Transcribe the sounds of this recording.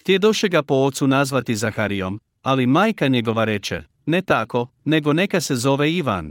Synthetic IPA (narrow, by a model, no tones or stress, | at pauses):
xt̪ʲjed̪oʃeɡapo̞ot̪sunazʋat̪izaxaɾijo̞̰m | alimaːjkaɲe̞ɡo̞ʋaɾe̞t͡ʃḛ | ne̞t̪ako̞ | ne̞ɡo̞ne̞kase̞zo̞ʋeiʋa̰n